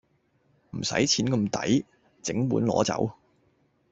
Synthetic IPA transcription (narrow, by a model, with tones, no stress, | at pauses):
m̩˨˩sɐ̰˨˥jt͡sʰiː˨˥nkɐ˧mt̪ɐ˨˥j | t͡sɪ˨˥ŋpuː˨˥nlɔː˨˥t͡sɐ̰˨˧˥w